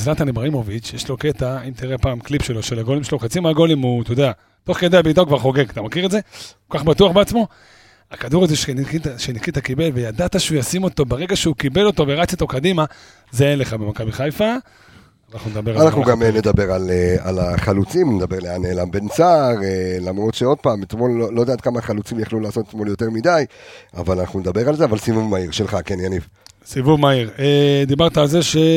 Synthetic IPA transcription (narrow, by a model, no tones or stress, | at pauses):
zlat̪anibʁaimo̞vit͡ʃjeʃlo̞ke̞t̪aimt̪iʁepaːmklipʃelo̞ʃelaɡo̞limʃeloχat͡simaaɡo̞limut̪ojod̪ea | t̪o̞χked̪eabit̪aukvaʁχo̞ɡe̞ɡat̪amakiʁetze̞kokaχbatuaχbeat͡smo̞ | akad̪uʁazeʃnikitʃenikit̪akibe̞lve̞jad̪at̪aʃeujasimo̞t̪o̞beʁe̞ɡaʃeukibe̞lo̞t̪o̞veʁat͡sot̪o̞kad̪ima | zeenle̞χabe̞makabiχajfa | anaχnuned̪abe̞ʁaanaχnuɡamned̪abe̞ʁalealaχalut͡simned̪abe̞ʁleaneːlambe̞nt͡saʁelamʁo̞t̪ʃeo̞d̪̚paːmet̪mo̞lolːo̞d̪aːt̪̚kamaχalut͡simjaχlulaːso̞t̪etmo̞ljo̞te̞ʁmid̪aja̰valanaχnuned̪abe̞ʁalzeavalsivuvmaiʁʃelχakenjaniv | sivuvmaiʁed̪ibaʁt̪aːlzeʃe